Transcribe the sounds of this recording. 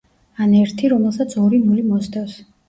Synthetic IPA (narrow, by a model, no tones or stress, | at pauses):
anɛɾt̪ʰiɾɔmɛlˠsat̪sʰɔɾimulimɔsd̪afs